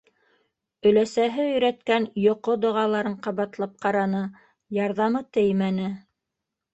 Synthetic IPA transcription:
ɵ̆læsæɦɘɵ̆jɾæt̪kænjŏqod̪ŏʁɑlˠɑɾɤɴqɑβɑt̪lˠɑp̚qɑɾɑnɤ | jɑɾðɑmɤt̪ɘjmænɘ

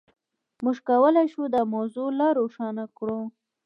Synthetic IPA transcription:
muʒkawəlajʃud̪əmawzolaɾoʂɑnakɽu

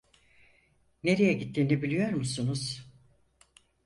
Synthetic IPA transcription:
ne̞ɾejɛɟit̪ʰːiːnibilʲijo̞ɾmusunuz̥

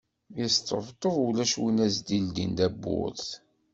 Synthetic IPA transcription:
jəst̪ːə̰ft̪ˤːəðˤulæʃwinæzd̪ild̪ind̪æbːʊ̰ðθ

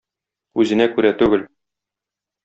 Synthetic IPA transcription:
ʉzɘ̆nækʉɾæt̪ʉɡɘl

